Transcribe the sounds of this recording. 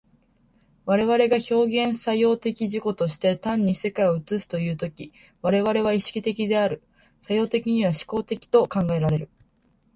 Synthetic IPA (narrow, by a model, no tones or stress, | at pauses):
βaɾe̞βaɾe̞ɡaço̞ːɡẽ̞ɰ̃sajo̞ːt̪e̞kʲiʑiko̞t̪o̞ɕi̥t̪e̞t̪ãɲ̟ːise̞kaio̞ɯ̟t͡sɨsɨ̥t̪o̞jɯ̟ːt̪o̞kʲi | βaɾe̞βaɾe̞βaiɕi̥kʲit̪e̞kʲid̪e̞aɾɯ̟ | sajo̞ːt̪e̞kʲiɲ̟iβ̞aɕi̥ko̞ːt̪e̞kʲi̥t̪o̞kãŋɡae̞ɾaɾe̞ɾɯ̟